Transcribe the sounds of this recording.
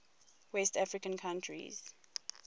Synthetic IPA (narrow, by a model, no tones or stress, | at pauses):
wɛstafɹikə̃nkʰãntʰɹḭz̥